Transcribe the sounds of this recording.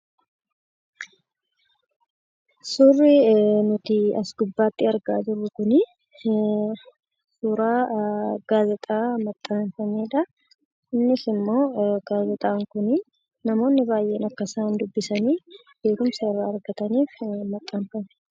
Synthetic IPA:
sʊrːɪnʊt̪ɪɐsɡʊbːaːt̪ːɪɐɾɡa̰ːd͡ʒɪrːʊkʊnɪ | suːɾaːɡ̥aːzɛt̪ʼaːmɐt̪ʼːaːnfɐneːᶑɐ | ɪnːɪsɪmːo̞ːɡ̥aːzɛt̪ʼaːŋkʊnɪ | nɐmo̞ːnːɪbaːjʔeːnɐkːɐsaːnd̪ʊbːɪsɐniː | b̥e̞ːkʊmsɐɪrːaːɐɾɡɐt̪ɐniːfmɐt̪ʼːaːnfɐn

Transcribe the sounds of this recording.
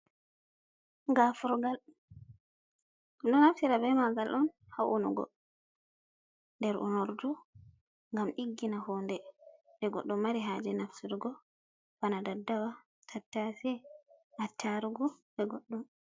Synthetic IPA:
ɡafuɾɡal | ɗɔnafsiɾabɛmaɡalʔɔn | haʔṵnṵɡɔ̰ | ndɛɾʔṵnoɾdu | ŋɡamʔiɡːinahɔːndɛ | dɛɡɔ̰ɗːɔmːaɾiɦad͡ʒɛnafsiɾɡɔ | b̥anadadːawa | tʰatːasɛʔatʰːaɾuɡɔbɛɡɔɗːum

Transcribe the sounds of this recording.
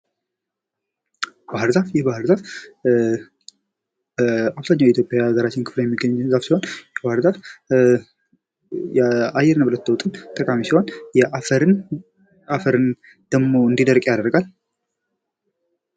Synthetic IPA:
bahɨɾzafjɛbahɨɾzaf | aβzaɲːawjɛɪt̪ʰjopʼjaɡəɾat͡ʃːɪnkʰɨ̥fləjɛmːiɡəɲzafsihonjɛbahɨɾzaf | jɛajːɛɾnəbɨlət̪ːəwt̪ʼɨnt̪ʼəkʼamisiho̞njɛaɾn | afəɾɨn | d̪̥əɡmoɨnd̪id̪əɾkʼjad̪əɾəɡal

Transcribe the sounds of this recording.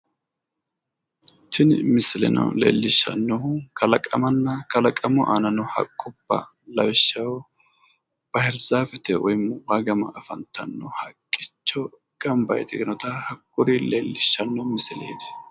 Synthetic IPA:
tɪnmɪsɪlɛ̰nɐ̰wlḛːlːɪʃːɐ̰nːɔkʰɐlɐkʼɐmɐnːɐkɐlɐkʼɐmɔʔaːnɐnɔhɐ̰kʼːʊbːɐ̰ | lɐwɪʃːɐw | b̥ɐhɛɾzaːfɛt̪ɛʔɔjmwɐɡɐmɐʔːfɐnt̪ʰːɐnːɔhɐkʼːɪt͡ʃːɔ | ɡ̥ɐmbɐ̰jt̪ɛɡɪnɔt̪ɐhɐkʼːʊɾileːlːɪʃːɐnːɔmɪsɪlḛːd̪

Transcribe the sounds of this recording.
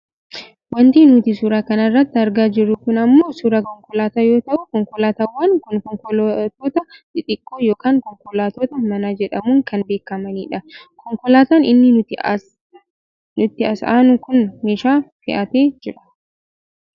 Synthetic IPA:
wɐnt̪iːnʊt̪ɪsuːɾaːkɐnɐrːɐt̪ːɪɐɾɡaːd͡ʒɪrːʊkʊnɐmːo̞ːsuːɾɐkɔŋkɔlaːt̪ajo̞ːt̪ɐʔʊkɔŋkɔlaːt̪awːaːnkʊnkɔŋkɔlt̪oːt̪ɐᶑ̪ɪt̪ʼɪkʼːoːjo̞ːkaːŋkɔŋkɔlaːt̪oːt̪ɐmɐnad͡ʒɛᶑɐmʊːŋkɐnbe̞ːkːɐmɐniːᶑɐkɔŋkɔlaːt̪aːnɪnːɪʊt̪ | nʊt̪ːɪɐsaːnʊkʊnmeːʃaːfɪʔɐt̪eːd͡ʒɪᶑɐ̥

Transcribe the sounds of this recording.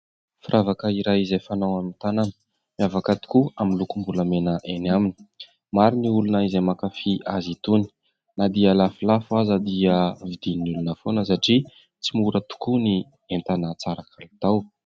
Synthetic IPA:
firʔavakəiɾajizajfanawamint̪ananə̥ | mjavakat̪i̥kuaminlukumbuləmenəʔenamini̥ | maɾiniulunəizemakafia̰zit̪uni̥ | nad̪ialafilafuazəd̪iəvid̪inulunəfonəs̬aʈ͡ʂi | t͡simuɾət̪u̥kuni | ent̪anət͡saɾakʰalut̪aw

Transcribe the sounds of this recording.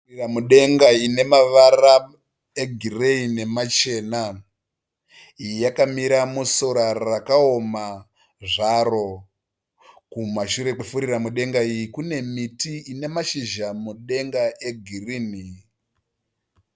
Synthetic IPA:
iramuɗe̞ŋɡaine̞maʋara | eɡʱireine̞mat͡ʃe̞ːna | ijijakamiɾamusoɾarakaoma | ʐaro̞ | kumaʃuɾe̞k͡pefuɾiramuɗe̞ŋɡaijikune̞mitiːne̞maʃiʒamuɗe̞ŋɡaʔe̞ɡʱiriːni

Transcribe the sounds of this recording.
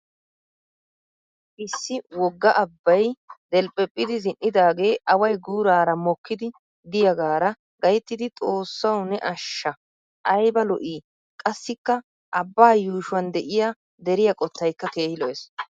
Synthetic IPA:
ʔɪsːɪwɔɡːɐʔɐbːɐjd̪ɛlpʼɛpʼːɪd̪ɪzɪnːɪd̪aːɡe̞ːʔɐwɐjɡuːɾaːɾɐmɔkːɪd̪ɪ | d̪ɪjɐɡaːɾɐ | ɡɐjt̪ːɪd̪ɪt̪ʼo̞ːsːɐwnɛʔɐʃːɐ | ʔɐjbɐlɔʔiː | kʼɐsːɪkːɐ | ʔɐbːaːjuːʃʊwɐnd̪ɛʔɪja | d̪ɛɾɪjɐkʼɔt̪ːɐjkːɐke̞ːhɪlɔes

